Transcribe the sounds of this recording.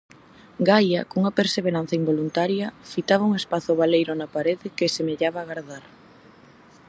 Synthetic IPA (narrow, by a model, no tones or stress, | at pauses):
ɡajɐkouŋɐpeɾseβeɾan̟θɐimbolunt̪aɾjɐfit̪aβɐuŋespaθʊβalejɾʊnɐpaɾeðɪkesemeʎaβaːɣaɾðaɾ